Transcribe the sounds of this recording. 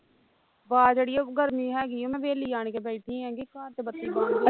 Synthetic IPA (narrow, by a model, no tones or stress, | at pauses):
ʋaːd͡ʒeːɽijãːɡʱəɾmĩːɦɛːɡɪõːmɛ̃ːʋeːliːd͡ʒaːɳ̃keːbɛːʈʰĩːɦɛ̃ːɡiːkãːt̪eːbət̪ːiːaː